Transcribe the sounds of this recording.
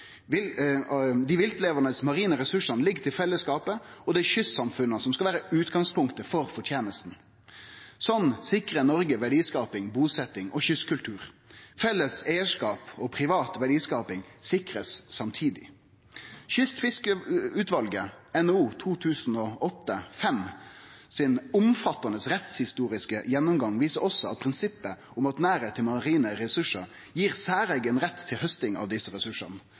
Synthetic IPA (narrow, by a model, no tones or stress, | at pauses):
d̪ɪʋɪlt̪leːʋənəsmɑʁiːnəɾɛsʉʂənlɪɡːt̪ʰɪlfɛlːəskɑːpəɔd̪ɛçʏsːɑmfʉnːəsɔmskɑʋæːɾəʉːt̪ɡɑŋspʰʊŋkt̪əfɔʁfɔʈʰjeːnəst̪n̩ | sɔnːsɪkʁənɔɾɡəʋæɖiːskɑːpɪŋbuːsɛt̪ːɪŋʔɔçʏskʉlt̪ʰʉːʁfɛlːəseɪəʂkɑːpɔpʰʁɪʋɑːt̪ʋæɖiːskɑːpɪŋsɪkɾəsːɑmt̪ʰiːd̪ɪ | çʏst̪fɪskəʉːt̪ʋɑlɡəɛnouːt̪ʰuːt̪ʰʉːsn̩ɔɔt̪ːəfɛm | sɪnʊmfɑt̪ːɑnəsɾɛt̪shɪst̪uːɾɪskəjɛnːʊmɡɑŋʋiːsəɾɔsːɔɑt̪̚pʰɾɪnsɪpːə | ʊmɑt̪næːɾeːt̪ʰːɪlmɑʁiːnəɾɛsʉʂə | jiːʁsæːɾɛɡənʁɛt̪ʰːɪlhœst̪ɪŋɑ̰ʋd̪ɪsːəɾɛsʉʂə̰ʁnə